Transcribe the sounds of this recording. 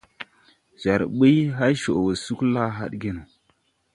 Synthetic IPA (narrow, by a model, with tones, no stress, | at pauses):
za˨ɾɓə˦ɦa˦jʃo˨wə˨su˦kla˦ɦa̰˦ɗɡe˦nu˨